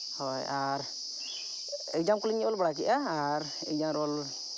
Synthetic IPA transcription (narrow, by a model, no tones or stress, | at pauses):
hɔjaɾ | ɛdamkuliɲiɔlbaɽak̬iʔaːɾ | ɛ̰d͡ʒamɾɔl